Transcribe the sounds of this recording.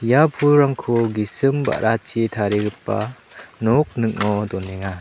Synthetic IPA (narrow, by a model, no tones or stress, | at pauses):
japʰuɾaŋkʰoɡisɯmba̰ʔɾʔat͡ʃʰitʰaɾeɡɯpːa̰ | nɔk̚nɯk̚nɔdɔnːeŋa